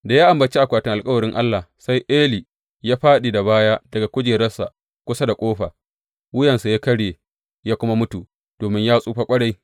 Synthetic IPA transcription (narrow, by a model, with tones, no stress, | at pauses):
da˨jaː˦ʔa˨mbɐ˨t͡ʃi˦ʔa˨kʷaː˨tɪ˦ŋʔa˨lkʼɐ˦wɐ˨ɾɪ˦ŋʔa˦lːa˨sa˦jʔeː˦li˨ | jaː˦ɸaː˦ɗiː˨da˨baː˦ja˦dɐ˨ɡa˨kʷʊ˦d͡ʒeː˨ɾɐ˦rsa˨ | kʷʊ˦sa˦da˨kʷʼoː˦ɸaː˨ | wʊ˦jɐ˨nsa˨ja˦kɐ˦ɽjeː˨ | jaː˦kʷʊ˦ma˦mʊ˦tu˨ | d̥oː˨mɪ˦ɲjaː˦sʼuː˦ɸa˦kʷʼɐ˦ɽa˦j